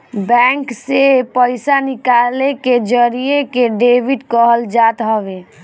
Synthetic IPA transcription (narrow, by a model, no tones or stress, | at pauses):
bɛ̃ŋksepəɪsanɪkaleked͡ʒəɾijekeɖebiʈkəɦəld͡ʒat̪ɦəbe